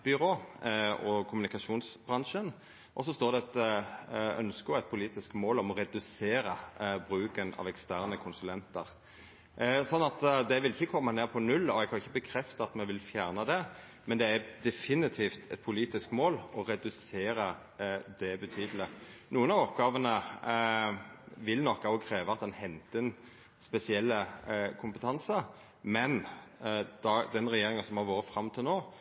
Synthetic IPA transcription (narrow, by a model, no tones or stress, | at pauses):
b̥ʏɾoːɔkʰʊmʉnɪkɑʂuːnsbʁɑnʂən | ʔɔsːɔst̪oːɾd̪ɛɛt̪ | œ̰nskəɔɛt̪̚pʰʊliːt̪ɪskmoːlɔmɔɾɛd̪ʉseːɾəbɾʉːkənɑ̰ːʋɛkst̪æʁnəkʰʊnsʉlɛnt̪ə̰ɾ | sɔnːɑt̪d̪ɛʋɪlɪçːəkʰɔmːəneːpʰɔnʉlːɔɛɡkʰɑnɪçːəbəkʰɾɛft̪ɑɑt̪mɛnʋɪlfjæːʁnəd̪ɛ | mɛnd̪ɛæd̪ɛfɪnɪt̪ʰiːft̪ʰɛt̪̚pʰʊliːt̪ɪskmoːlɔɾɛd̪ʉseːɾə | d̪ɛbət̪ʰyːd̪əlɪnuːənɑːʋɔpːɡɑːʋənə | ʋɪlnɔkːɑkʰɾeːʋəɑt̪̚d̪ɛnhɛnt̪əɛn | spɛsɪɛlːəkʰʊmpət̪ʰɑnsə | mɛn | d̪̥ɑd̪ɛnɾɛjeːɾɪŋənsɔmhɑɾʋoːɾəfɾɑmːt̪ʰɪlnoː